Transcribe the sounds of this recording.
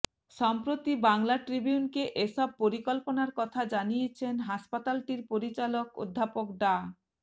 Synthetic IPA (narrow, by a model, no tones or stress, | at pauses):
ʃɔmpɾot̪ibaŋlaʈɾibiunkeʔeʃɔb̚poɾikolponaɾkɔt̪ʰad͡ʑanijet͡ɕʰenɦaʃpat̪alʈiɾpoɾit͡ɕaloko̰d̪ʱːapok̚ɖa